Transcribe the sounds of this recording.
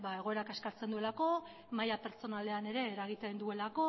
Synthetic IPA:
bae̞ɣ̞o̞eɾakaskaɾt͡se̞nd̪ue̞lako̞ | majape̞ɾt͡so̞nale̞ane̞ɾe̞ːɾaɣ̞it̪end̪ue̞lako̞

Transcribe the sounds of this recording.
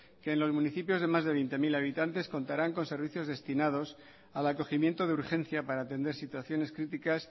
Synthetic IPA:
ke̞ːnlo̞zmũniθipjo̞zð̞e̞mazðeβ̞ejnt̪e̞milaβ̞it̪ant̪e̞sko̞nt̪aɾaŋko̞nse̞ɾβ̞iθjo̞zðe̞st̪inað̞o̞s | alako̞ximje̞nt̪o̞ð̞euɾxẽ̞n̟θjapaɾaːt̪e̞nd̪eɾsit̪waθjo̞ne̞skɾit̪ikas

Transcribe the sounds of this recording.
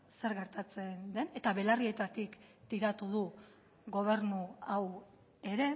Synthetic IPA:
se̞ɾɣe̞ɾt̪at͡se̞nd̪e̞ne̞t̪aβe̞larie̞t̪at̪ikt̪iɾat̪uð̞u | ɣo̞β̞e̞ɾnuaw | e̞ɾe̞

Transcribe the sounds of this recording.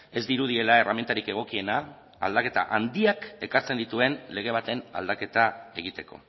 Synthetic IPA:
e̞zd̪iɾuð̞ie̞lae̞rament̪aɾike̞ɣ̞o̞kie̞na̰ː | ld̪ake̞t̪a̰ʔand̪iake̞kaɾt͡se̞nd̪it̪ue̞nle̞ɣ̞e̞β̞at̪e̞na̰ld̪ake̞t̪ae̞ɣ̞it̪e̞ko̞̰

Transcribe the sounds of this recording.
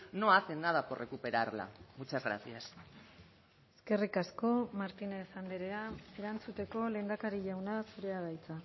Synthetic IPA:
noasenːaðaporʔekupe̞ɾaɾla̰ɣut͡ʃazɣɾa̰θias | eske̞rikasko̞maɾt̪ine̞sand̪e̞ɾeae̞ɾant͡sut̪e̞ko̞le̞ːnd̪akaɾiʎawnasuɾe̞aɣajt͡sa

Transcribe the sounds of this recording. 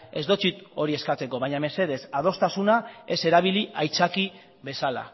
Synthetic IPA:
e̞zd̪o̞t͡sit̪o̞ɾie̞skat͡se̞ko̞βaɲame̞se̞ð̞e̞saðo̞st̪asunae̞se̞ɾaβ̞iliajt͡saki | βe̞sala̰

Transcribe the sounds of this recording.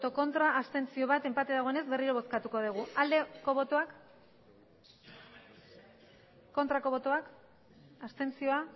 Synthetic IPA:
ot̪o̞ko̞nt̪ɾaʔːst̪e̞nt͡sio̞β̞at̪e̞mpat̪eðaɣo̞ene̞zbe̞riɾo̞β̞o̞skat̪uko̞ðiɣ̞uald̪eko̞βot̪oak | ko̞nt̪ɾako̞βo̞t̪oak | ast̪e̞nt͡sio̞a

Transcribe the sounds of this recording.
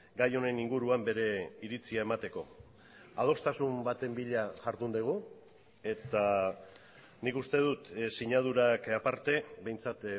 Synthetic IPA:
ɡajo̞ne̞niŋɡuɾuambe̞ɾe̞iɾit͡siae̞mat̪e̞ko̞̰ | aðo̞st̪asumbat̪e̞mbiʎaʝaɾðund̪eɣ̞u | e̞t̪a | nikust̪e̞ð̞ut̪siɲað̞uɾakapaɾt̪e̞be̞jnt͡sat̪

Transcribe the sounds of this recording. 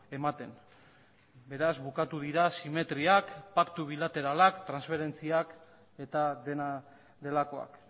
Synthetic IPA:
e̞mat̪e̞n | be̞ɾazβukat̪uðiɾasime̞t̪ɾiakpakt̪uβ̞ilat̪e̞ɾalakt̪ɾansfe̞ɾe̞nt͡siak | e̞t̪aðe̞na | d̪e̞lako̞a̰k

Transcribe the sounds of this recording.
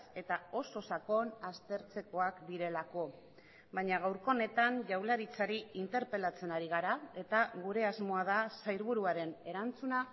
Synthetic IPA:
se̞t̪ao̞so̞sako̞nast̪e̞ɾt͡se̞ko̞akd̪iɾe̞lako̞ | βaɲaɣawɾko̞ne̞t̪aɲʝawlaɾit͡saɾiint̪e̞ɾpe̞lat͡se̞naɾiɣ̞aɾae̞t̪aɣuɾe̞azmo̞að̞asajɾβ̞uɾuaɾe̞ne̞ɾant͡suna

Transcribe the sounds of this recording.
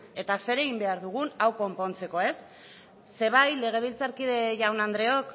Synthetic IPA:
e̞t̪ase̞ɾe̞ɣimbe̞aɾðuɣ̞unawko̞mpo̞nt͡se̞ko̞e̞sː | e̞β̞ajle̞ɣ̞e̞β̞ilt͡saɾkiðe̞ʝawnand̪ɾe̞o̞k

